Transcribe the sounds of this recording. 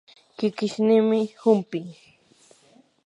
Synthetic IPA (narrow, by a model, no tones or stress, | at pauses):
kɪkɪʃnɪmɪhʊmpɪŋ